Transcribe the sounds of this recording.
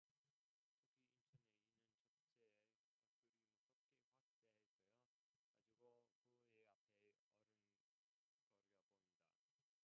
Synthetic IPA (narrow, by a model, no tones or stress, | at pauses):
tʰoɡʰiint͡ɕʰʌneinːɯnt͡ɕʌ | t͡ɕʰee | pʌt͈uɾimɯtʌk͈ʰeɸwak̚t͈e̞ɦaɭk͈ejo | ka̰d͡ʑiɡokoeapʰe̞ | ʌɾɯn | ɡʌɾjʌboinda̰